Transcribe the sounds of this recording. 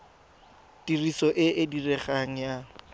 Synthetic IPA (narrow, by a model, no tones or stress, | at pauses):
dirisɔʔɪʔɪdirɛχaŋ̩ja